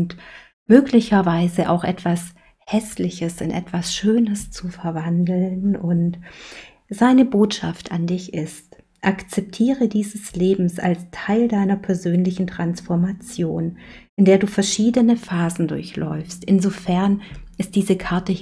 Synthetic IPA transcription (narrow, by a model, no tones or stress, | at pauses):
nt | møːklɪçɐvaɪzəʔa̰ʊxʔɛtv̥as | hɛslɪçəsɪnʔɛ̰tv̥asʃøːnəst͡sufɛɐvandl̩nʊnt | z̥aɪnəboːtʃa̰ftandɪçɪst | ʔakt͡sɛp̚tʰiːʁ̞ədiːzəsleːbm̩sa̰lstʰaɪldaɪnɐpʰɛɐzøːnlɪçn̩tʁ̥ansfɔɐmat͡sjoːnʔɪndeːɐduːfɛɐʃiːdənəfaːzn̩dʊ̰ɐçlʔɔ̰ʏfstʔɪnzofɛɐnʔɪst̚d̥iːzəkʰaɐtə